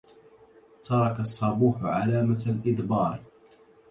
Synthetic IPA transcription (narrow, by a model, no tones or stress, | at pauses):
t̪ʰɑɾˤɑkasˤːɑbuːħʊʕalaːmalʔɪd̪bɑːɾ